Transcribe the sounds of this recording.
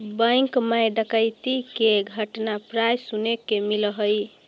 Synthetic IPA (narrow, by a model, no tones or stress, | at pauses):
bəjŋkməjɖəkəjt̪ikeɡʱəʈnapɾajsunekemilɦəj